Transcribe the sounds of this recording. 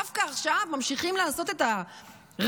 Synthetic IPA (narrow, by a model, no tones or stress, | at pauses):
afkaːχʃavmamʃiχimlaaːso̞te̞ta | ʁ